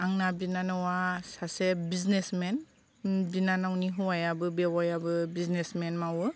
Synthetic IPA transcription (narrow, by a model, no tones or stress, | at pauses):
aŋnabinanɯwasasebiznesmɛn | binanawniɦuwajabɯbewajabɯbiznesmɛnmawɯ